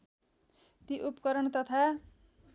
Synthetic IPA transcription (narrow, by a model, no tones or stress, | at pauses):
t̪iʔupkʌɾʌɳt̪ʌt̪ʰa